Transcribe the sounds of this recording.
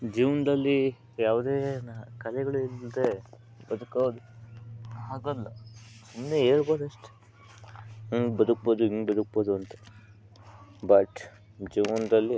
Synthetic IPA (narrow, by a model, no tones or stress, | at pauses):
d͡ʒiːʋɐnd̪ɐlːi | jaːʋd̪eːnkɐlɛɡɐɭuild̪e | bɐd̪ukaːd̪u | ɦaːɡɐlːɐsumneɦe̞ːɭbo̞ːd̪ɐʂʈe̥ | ɐŋɡbɐd̪uk̚boːd̪uiŋɡbɐd̪uk̚boːd̪uɐnt̪ɐ̥ | bɐʈ | d͡ʒiːʋɐnd̪ɐlːi